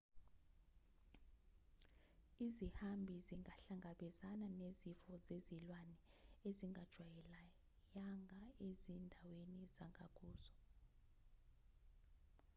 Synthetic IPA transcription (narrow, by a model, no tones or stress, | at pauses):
izihambʱiziŋɡʱaɬaŋɡʱaɓɛzananezifɔzezilwanɛeziŋɡʱad̥ʒ̥ʱwajɛla | jaŋɡʱaezindʱawenizaŋʱak̬ʼuːzɔ